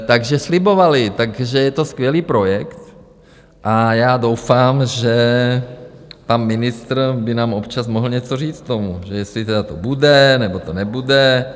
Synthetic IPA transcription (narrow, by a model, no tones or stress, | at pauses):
t̪aɡʒɛslɪbo̞valɪt̪aɡʒɛjɛt̪o̞skʋjɛliːpɾo̞jɛkt̪ | ʔajaːdo̞wfaːmʒɛ | panmɪnɪst̪ɾbɪnaːmʔopt͡ʃasmoɦl̩ɲɛt͡soriːt͡skt̪o̞muʒɛjɛst̪lɪt̪ɛdat̪obudɛnɛbo̞t̪onɛbudɛ